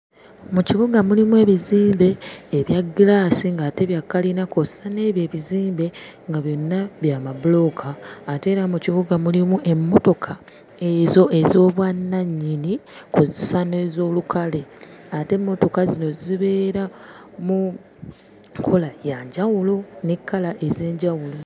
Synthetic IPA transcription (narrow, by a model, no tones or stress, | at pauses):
muciβuɡamulimue̞ːβiziːmbe̞ːβjaɡilaːsiŋɡaːte̞βjakːalinakozsane̞ːβje̞ːβiziːmbe̞ | ŋɡaβjo̞nːaβjaːmaβulo̞kʰaːte̞ːɾamuciβuɡamulimuʔe̞mːo̞to̞kʰa | ezo̞e̞zo̞ːβwanːaɲːinikuzisane̞ːzo̞ːlukʰale̞ate̞mːo̞to̞kazino̞ziβe̞ːɾa | mu | kʰo̞lajaɲɟawulonekʰːalaʔe̞ze̞ːɲɟawulo̞